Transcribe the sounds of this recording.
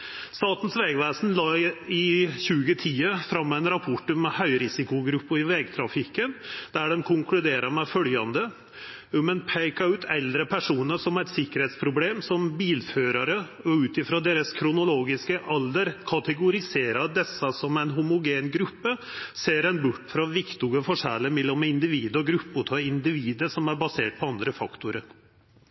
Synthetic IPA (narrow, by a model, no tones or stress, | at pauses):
st̪ɑːt̪n̩sʋɛːɡʋæːsn̩lɑːɪɕʉːɡət̪ʰiːəfɾɑmːæɪnɾɑpʰɔʈʉmhœʏɾɪsɪkʊɡɾʉpːʊɪʋɛɡt̪ʰɾɑfɪkənd̪̥æɖɛmkʰʊŋklʉd̪eːɾɑɾmɛfœljɑnd̪ə | ʉmɛnpʰæɪkɑʉːt̪ʰɛld̪ɾəpʰæʂuːnəʂɔmæɪt̪sɪkəɾheːt̪spʰɾʊbleːmsɔmbiːlføːɾɑɾə | ɔʉːt̪ɪfɾoːd̪eːɾəskʰɾʊnʊloːɡɪskəʔɑld̪əɾkʰɑt̪ɛɡʊɾɪseːɾɑd̪ɛsːɑsɔmæɪnɦʊmʊɡeːnɡɾʉpːəseːɾæɪnbʊʈːfɾɑʋɪkt̪ɪɡəfɔʂælːəmɛlːɔmɪnd̪ɪʋiːd̪əɔɡɾʉpːʊt̪ʰɔɪnd̪ɪʋiːd̪əʂɔmæɾbɑseːʈ̚pʰɔɑnd̪ɾəfɑkt̪ʊɾəɾ